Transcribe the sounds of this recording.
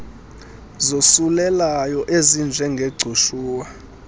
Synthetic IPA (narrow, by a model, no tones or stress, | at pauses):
zosulɛlajɔʔezind͡ʒʱɛŋɡʱeɡ͡ǀʱuʃuːwa